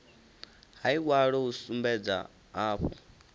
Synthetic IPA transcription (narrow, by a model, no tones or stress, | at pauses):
haiwaɺɔusumbɛd͡za̰ | aːɸɔ